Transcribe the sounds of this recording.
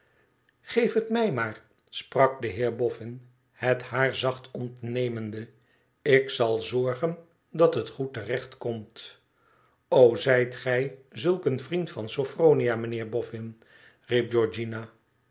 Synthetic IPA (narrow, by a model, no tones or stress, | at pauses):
χejfətmɛjmaːɹ | sprɑk̚dəɦɪːɹbɔfɪn | hɛthaːɹzɑχtʰɔntnejməndə | ɪksɑlˠzɔɹχən | dɑtɦətχutərɛχtkɔmt | owzɛjtχɛjzɵlˠkənvrintfɑnsofroːniamənɪːɹbɔfɪn | rip̚d͡ʒɔɹd͡ʒinaː